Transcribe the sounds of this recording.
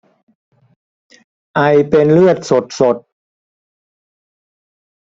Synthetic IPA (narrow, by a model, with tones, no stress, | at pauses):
ʔa˧jpe˧nlɯ˥˩ət̪̚so˨˩t̪̚so˨˩t̪̚